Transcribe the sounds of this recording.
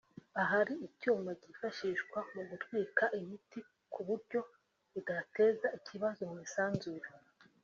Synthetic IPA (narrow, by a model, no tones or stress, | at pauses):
aɦaɾiicuːmaɟifaʃiʃɡwamuɡutɡwiːkaʔimiti | kʰuβuɾɟo̞ | iɡate̞ːzaicʰiβazomŋiːsaːnzuɾa